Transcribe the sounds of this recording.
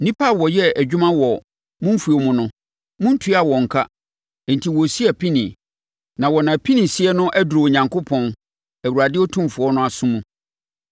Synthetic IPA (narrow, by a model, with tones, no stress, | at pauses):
nĩ˦pʰa˦˨wɔ˨jɛ˦æ˨d͡ʑᶣʊ˦mã˦wɔ˨ | mʊ̃˦m̩˦fu˨o˨mʊ̃˦nʊ̃˦ | mʊ̃˦n̩˦tʰu˦a˨wɔ̃˨ŋ̩˨kʰa˦ | ɛ˨n̩˨tʰi˨wɔ˨si˦æ˨pʰi˦nĩ˨ | nã˨wɔ˨nã˨pʰĩ˦nĩ˨sɪ˦ɛ˦nʊ̃˦ʔæ˦du˨ɾo˨ɲã˨ŋkʰo˦pʰɔ̃˦n | æ˨wu˨ɾa˨dɪ˦ɔ˦tʰũ˦mfʊ˨ɔ˦nʊ̃˦a˨sʊ̃˦mũ˨